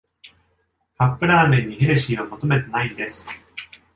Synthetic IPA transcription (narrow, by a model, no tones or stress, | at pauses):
kapːɯ̟ɾaːmẽ̞ɲ̟ːiɦeɾeɕiːamo̞t̪o̞me̞t̪e̞naid̪e̞sɨ̥